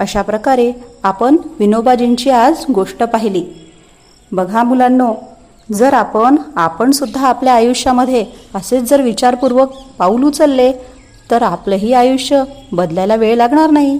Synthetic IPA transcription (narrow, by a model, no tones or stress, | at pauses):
əɕapɾəkaɾeapəɳʋinobad͡ʑiɲt͡ɕiːad͡zɡoʂʈəpaɦiliː | bəɡʱamulanːo | d͡zəɾapəɳapəɳsud̪ʱːaːpljaːjuʂjaməd̪ʱːjeəset͡sd͡zəɾʋit͡ɕaɾpuɾʋək̚paulũt͡səlːe | t̪əɾapləɦiːajuʂjəbəd̪ljalaʋeɭlaɡɳaɾnaɦi